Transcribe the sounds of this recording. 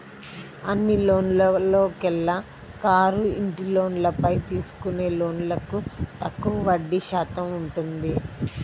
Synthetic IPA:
ɐnːilo̞ːnlɐlo̞ːkɛlːɐ | kaːɾuiɳʈilo̞ːnlɐpɐjt̪iːsu̥kune̞ːlo̞ːnlɐkut̪ɐkːuʋɐʋɐɖːiʃaːt̪ɐmuɳʈund̪i

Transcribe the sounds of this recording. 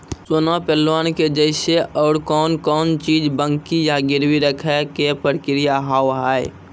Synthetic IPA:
sonapɛlwaːnked͡ʒəɪseɔːɽkɔːnkɔːnt͡ʃiːd͡ʒbəŋkijaɡɪɾwiɾəkʰɛkepəɾkɪɾijaɦaːwɦaːe

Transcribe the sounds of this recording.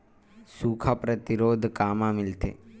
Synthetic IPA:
suːkʰapɾət̪iɾoːd̪ʱkaːmãmɪlt̪ḛː

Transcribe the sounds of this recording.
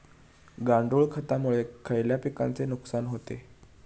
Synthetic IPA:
ɡaɳɖuɭkʰət̪amuɭekʰəjljapika̰nt͡senuksanɦot̪e

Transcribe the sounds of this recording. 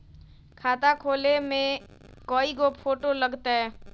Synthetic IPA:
kʰaːt̪akʰoːlemẽ | koːiɡopʰoːʈoləɡt̪aɦɛː

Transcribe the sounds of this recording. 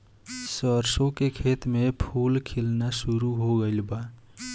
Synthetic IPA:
səɾsõkekʰeːt̪mẽpʰuːlkʰɪlnasʊɾuɦoɡəɪlbaː

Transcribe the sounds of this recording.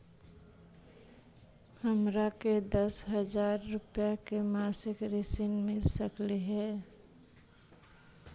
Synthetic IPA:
həmɾaked̪əsɦəd͡ʒaːɾːʊpjakemaːsɪkɾɪsɪnmɪlsəkleɦɛː

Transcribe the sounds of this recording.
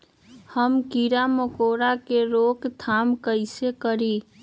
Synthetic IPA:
həmkiɾaməkoɾakeɾokt̪ʰamkəɪsekəɾi

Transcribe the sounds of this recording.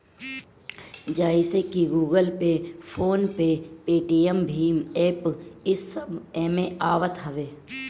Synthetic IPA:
d͡ʒaːisekiɡuːɡəlpepʰoːnpepeːʈiːəmbʱiːmeːpɪsːəbɛːmẽaːʋət̪ɦɐʋeː

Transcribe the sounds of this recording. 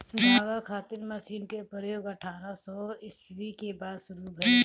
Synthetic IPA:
naːɡakʰaːt̪ɪɾmɐsiːnkepɾəjoːɡɐʈʰaːɾasɔɪswikebaːd̪sʊɾubʱɐɾi

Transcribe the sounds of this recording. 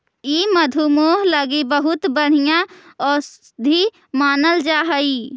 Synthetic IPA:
iːməd̪ʱumoːɦləɡibəɦʊt̪bəɽ̤ijãɔː | d̪ʱi | maːnəld͡ʒaːɦəi

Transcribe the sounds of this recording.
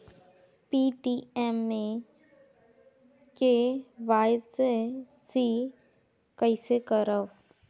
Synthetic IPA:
piːʈiːɛmːẽ | keʋaːɪs | si | kəɪsekəɾəʋ

